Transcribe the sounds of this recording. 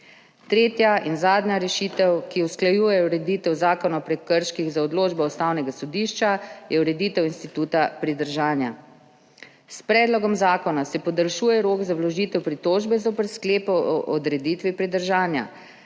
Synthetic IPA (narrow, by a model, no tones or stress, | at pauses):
t̪ɾeːt̪jaʔinzaːd̪njaɾɛʃiːt̪ɛwkiusklajuːjɛuɾɛd̪iːt̪ɛwzaːkɔnɔpɾɛkːəɾʃkiɣzaɔd̪loːd͡ʒbɔust̪awnɛɡasɔd̪iːʃt͡ʃajɛuɾɛd̪it̪ɛwinst̪it̪uːt̪apɾid̪əɾʒaːnja | spɾɛːd̪lɔɡɔmzaːkɔnasɛpɔd̪əlʃuːjɛɾoːɡzawlɔʒiːt̪ɛwpɾit̪oːʒbɛzopəɾskleːpɔɔʔɔd̪ɾɛd̪iːt̪ʋipɾid̪əɾʒaːnja̰